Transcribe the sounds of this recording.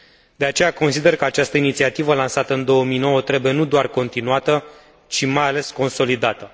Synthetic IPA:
d̪̥e̞at͡ʃe̞jako̞nsid̪e̞rkəat͡ʃast̪əinit̪siat̪ivəlansat̪əɨnd̪o̞əmino̞wət̪ɾe̞buje̞nud̪oarko̞nt̪inuat̪ə | t͡ʃimajale̞sko̞nso̞lid̪at̪ə

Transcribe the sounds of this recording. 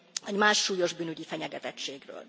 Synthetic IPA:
ɛɟmaːʃːuːjo̞ʒbyːnyɟifɛɲɛɡɛt̪ɛt͡ʃeːɡrø̰ːl

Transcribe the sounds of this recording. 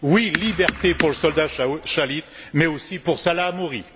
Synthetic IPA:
wilibɛʁt̪epuʁləsɔld̪aʃalit̪mɛosipuʁsalaːmɔʁi

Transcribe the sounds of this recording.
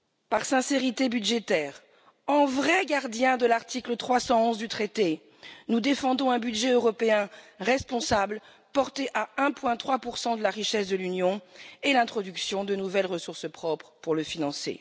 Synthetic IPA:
paʁsɛ̃seʁit̪ebyd̪ʒet̪ɛːʁ | ɑ̃vʁɛɡaʁd̪jɛ̃d̪əlaʁt̪iklət̪χwasɑ̃ɔ̃zd̪yt̪χet̪e | nud̪efɑ̃d̪ɔ̃ɛ̃byd̪ʒɛøʁɔpeɛ̃ʁɛspɔ̃sabl | pɔʁt̪eʔaɛ̃pwɛ̃t̪χwapuʁsɑ̃d̪əlaʁiʃɛsd̪əlynjɔ̃elɛ̃t̪χɔd̪yksjɔ̃d̪ənuvɛlʁəsuʁsəpχɔpχpuʁləfinɑ̃sḛ

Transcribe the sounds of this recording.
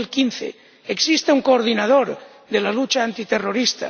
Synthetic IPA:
lkin̟θḛ | eksist̪euŋkoːɾðinað̞oɾ | ðe̞lalut͡ʃaːnt̪it̪e̞ro̞ɾist̪a̰

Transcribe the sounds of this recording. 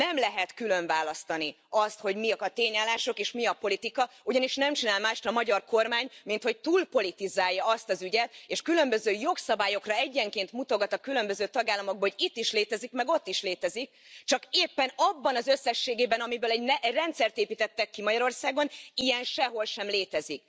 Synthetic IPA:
nɛmlɛɦɛt̪kylø̞ɱvaːlɒst̪ɒni | ɒst̪ho̞ɟmiɒt̪eːɲaːlːaːʃo̞keːʃmiɒpo̞lit̪ikɒ | uɟɒniʃnɛmt͡ʃinaːlmaːʃt̪ɒmɒɟɒrko̞rmaːɲmint̪ho̞c̚t̪uːlpo̞lit̪izaːjːɒɒst̪ɒzyɟɛt̪eːʃkylø̞mbø̞zøːjo̞ksɒbaːjo̞krɒɛɟːɛŋkeːnt̪mut̪o̞ɡɒt̪ɒkylø̞mbø̞zøːt̪ɒɡaːlːɒmo̞ɡ̚bɒhoɟit̪ːiʃleːt̪ɛzikmɛɡo̞t̪ːiʃleːt̪ɛzik̚t͡ʃɒkeːpːɛnɒbːɒnɒzøsːɛʃːeːɡeːbɛnɒmibøːlɛɟnɛrɛnt̪sɛrt̪eːpiːt̪ɛt̪ːɛkːimɒɟɒɾo̞rsaːɡonijɛnʃɛɦo̞lʃɛmleːt̪ɛzik̚

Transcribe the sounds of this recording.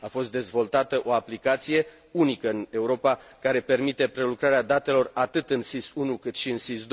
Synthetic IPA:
afo̞st̪̚d̪e̞zvo̞lt̪at̪əʔo̞aplikat̪sije̞ | unikəɨne̞uɾo̞pakaɾe̞pe̞rmit̪e̞pɾe̞lukɾaɾead̪at̪e̞lo̞rat̪ɨt̪ɨnsisunukɨt̪ʃiɨnsisd̪oj

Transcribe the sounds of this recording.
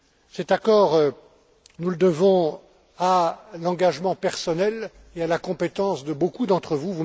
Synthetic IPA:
sɛt̪akɔːʁø | nuləd̪əvɔ̃ | alɑ̃ɡaʒmɑ̃pɛʁsɔnɛl | ealakɔ̃pet̪ɑ̃sd̪əbokud̪ɑ̃t̪χəvuvu

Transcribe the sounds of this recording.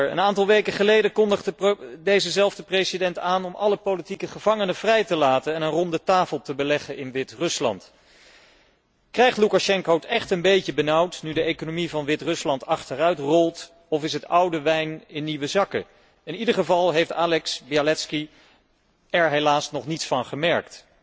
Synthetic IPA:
ə̰naːntɑlˠʋejkəχəlejdəkɔndəχdədejzəzɛlˠvdəprejzidɛntaːnɔmʔɑləpolitikəχəv̥ɑŋənəv̥rɛjtəlaːtənɛnənrɔndətaːfəlˠtəbəlɛχənʔɪnʋɪtrɵslɑ̰nt | krɛjχtlukaʃɛŋkotɛχtənbejcəbənʌwtnydəejkonomivɑnʋɪtrɵslɑntɑχtərœɥtrɔlˠt | ɔfɪs̬ɦətʌwdəʋɛjnɪnːiʋəzɑkə̰ | ɪnidəɹχəvɑlˠɦejftaːlɛksbialɛtski | ɛɹɦejlaːsnɔχnitsfɑnχəmɛɹkt

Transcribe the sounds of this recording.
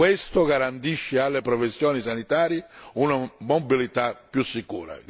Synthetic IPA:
west̪ʊɡaɾant̪iʃːɪalːepɾɔfesːjɔːnisanit̪aːɾjɪunamobilit̪apːjusːikuːɾa̰

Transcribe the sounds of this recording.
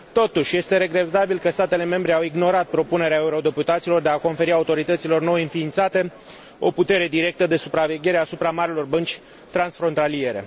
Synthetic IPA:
t̪o̞t̪uʃʲje̞st̪e̞ɾe̞ɡɾe̞t̪abilkəst̪at̪e̞le̞me̞mbɾe̞awiɡno̞ɾat̪̚pɾo̞pune̞ɾeaeuɾo̞d̪e̞put̪at̪silo̞rd̪e̞ako̞nfe̞ɾiaut̪o̞ɾit̪ət̪silo̞rno̞jɨnfiːnt̪sat̪e̞ | o̞̰put̪e̞ɾe̞d̪iɾe̞k̚t̪əd̪e̞supɾave̞ɡʲe̞ɾe̞asupɾamaɾilo̞rbənt͡ʃʲ | t̪ɾansfɾo̞nt̪alije̞ɾe̞̰

